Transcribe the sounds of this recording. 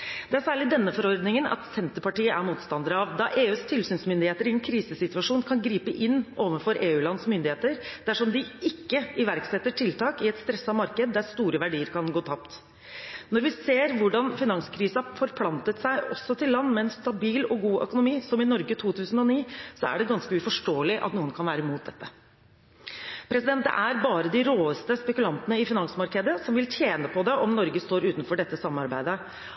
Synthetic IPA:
d̪̥ɛæsæːɭɪd̪ɛnːəfɔɾɔɾd̪nɪŋənɑ̰t̪sɛnt̪əpɑʈiːəæmuːt̪st̪ɑnd̪əɾəɑʋd̪ɑʔeːʉːst̪ʰɪlsyːnsmʏnd̪ɪheːt̪əɾɪɛnkʰɾiːsəsɪt̪ʉɑʂuːnkʰɑnɡɾiːpəʔɪnːʔoːʋənfɔɾʔeːʉːlɑnsmʏnd̪ɪheːt̪əɾd̪̥æʂɔmd̪ɪɪkːəɪʋæɾksɛt̪ːəʈʰɪlt̪ʰɑːkɪɛt̪st̪ɾɛsːɑmɑɾkəd̪̚ːæst̪uːɾəʋæɖiːəɾkʰɑnɡoːt̪ʰɑpt̪ | nɔɾʋɪseːɾʋʊɖɑnfɪnɑŋskʰɾiːsəɑfɔɾpʰlɑnt̪ət̪sæɪʔɔsːɔt̪ɪlːɑnːmɛɛnst̪ɑbiːlɔɡuːʔœ̰kʊnʊmiːsɔmɪnɔɾɡət̪ʰuːt̪ʰʉːsən̩ɔniːsɔæ̰ɖɛɡɑnskəʉfɔʂʈoːlɪʔɑ̰t̪nuːənkʰɑnʋæːɾəmuːt̪̚d̪ɛt̪ːə̥ | pʰɾɛsɪd̪ɛnt̪̚d̪ɛ̰ʔæɾbɑːɾəd̪ɪɾoːəst̪əspɛkʉlɑnt̪ənəɪfɪnɑŋsmɑɾkəd̪əsɔmʋɪlt̪ʰjeːnəpʰɔd̪ɛʔɔmnɔɾɡəst̪oːɾʉːt̪nfɔɖɛt̪ːəsɑmːnɑɾbæ̰ɪd̪ə

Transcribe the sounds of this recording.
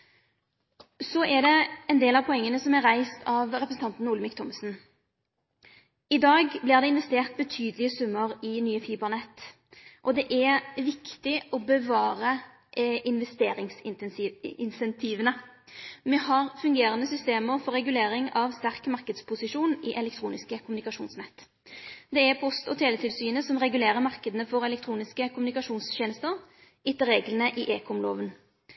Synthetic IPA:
sɔʔæd̪ɛɛnd̪eːlɑʋpʰɔɛŋːənəsɔmɛʁæɪst̪ʰɑʋʁɛpɾəsn̩t̪ɑnt̪n̩uːlmɪkt̪ʰɔmsn̩ | ɪd̪ɑːɡblɪʁd̪ɛɪnʋɛst̪eːʁt̪̚bət̪ʰyːd̪əlɪəsʉmːəʁɪnyːəfiːbəʁnɛt̪ː | ʔɔd̪ɛʔæʋɪkt̪ɪʔɔbəʋɑːɾə | ʔʔɪnʋɛst̪eːɾɪŋs | ɪnsɛnt̪ʰiːʋənə | mɛhɑʁfʉŋɡeːɾənd̪əsʏst̪eːməɾfɔɾːɛɡʉleːɾɪŋɑʋst̪æʁkmɑʁkəd̪spʰʊsɪʂuːnɪʔɛlɛk̚t̪ʰɾuːnɪskəkʰʊmʉnɪkɑʂuːnsnɛt̪ː | d̪ɛæɾpʰɔst̪ɔt̪ʰeːlət̪ʰɪlsyːnəsɔmʁɛɡʉleːɾəmɑʁkəd̪ənəfɔɾɛlɛk̚t̪ʰɾuːnɪskəkʰʊmʉnɪkɑʂuːnsçeːnəst̪əɾ | ɪt̪ːəɾeːɡlənəʔɪʔeːkʰʊmlo̰ːʋən

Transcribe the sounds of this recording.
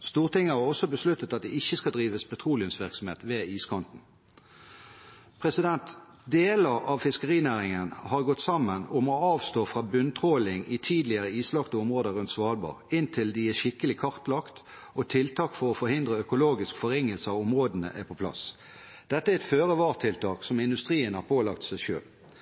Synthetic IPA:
st̪uːʁt̪ɪŋːəhɑʁɔsɔbəslʉt̪ːət̪ɑt̪̚d̪ɛɪçːəskɑd̪ʁiːʋəspʰɛt̪ʰʁuːlɪʉmsʋɪʁksɔm̩hḛːt̪ʋeːiːskʰɔnt̪n̩ | pʰʁɛsɪd̪ɛnt̪ | d̪eːləʁɑʋfɪskəʁiːnæːʁɪŋənhɑʁɡɔt̪ːsɑmənʊmɔɑːʋst̪oːfʁɑːbʉnt̪ʰʁoːlɪŋit̪ʰiːd̪lɪəʁəiːslɑkt̪əɔmʁoːd̪əʁʉnt̪sʋɑːlbɑ̰ːʁɪnt̪ʰɪld̪ɪæʃɪkəlɪkʰɑʁt̪lɑkt̪ | ʔot̪ʰɪlt̪ʰɑːkfɔʁɔfɔɾhɪnd̪ʁəœkʊloːɡɪskfɔɾɛŋəlsəɑʊmʁoːd̪ənə̰ʔæpʰɔpʰlɑ̰s | d̪̥ɛt̪ːəæɛt̪føːʁəʋɑːʁt̪ʰɪlt̪ʰɑːksɔmɪnd̪ʉst̪ʁiːənhɑʁpʰoːlɑk̚t̪sæɪʃø̰ːl

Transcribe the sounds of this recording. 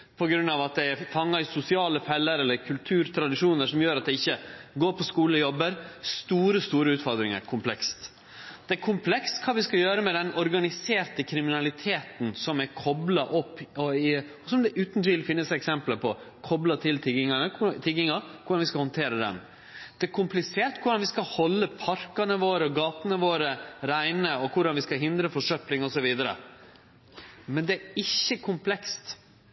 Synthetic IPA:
pʰɔɡɾʉnːɑːʋɑt̪̚d̪ɛæɾfɑŋːɑɪsʊsɪɑːləfɛlːəɾɛlːəɾkʰʉlt̪ʰʉːɾt̪ʰɾɑd̪ɪʂuːnəʂɔmjøːɾɑt̪̚d̪ɛɪçːəɡoːɾpʰɔskuːləɔjɔbːəɾst̪uːɾəst̪uːɾəʉːt̪fɔɾd̪ɾɪŋə̰ɾkʰʊmpʰlɛkst̪ | d̪̥ɛɾkʰʊmpʰlɛkst̪kʰɑːʋɪskɑjøːɾəmɛd̪ɛnɔɾɡɑnɪseːɾt̪əkʰɾɪmɪnɑlɪt̪ʰeːt̪n̩sɔmɛkʰɔblɑʔɔpːɔɪ | sɔmd̪ɛʔʉːt̪nt̪ɪːlfɪnːəsɛksɛmpləpʰɔkʰɔblɑt̪ʰɪlt̪ʰɪɡɪŋɑnəkʰʊt̪ʰɪɡɪŋɑkʰʊɖɑnʋɪskɑhɔnt̪ʰeːɾəd̪ɛ̰n | d̪̥ɛæɾkʰʊmplɪseːɾʈ̪kʰʊɖɑnʋɪskɑhɔlːəpʰɑɾkɑnəʋoːɾəɡɑːt̪ənəʋoːɾəɾæɪnəɔkʰʊɖɑnʋɪskɑɦɪnd̪ɾəfɔʂœplɪŋɔsɔʋiːd̪əɾə̰ | mɛnd̪ɛæɾɪçːəkʰʊmpʰlɛkst̪

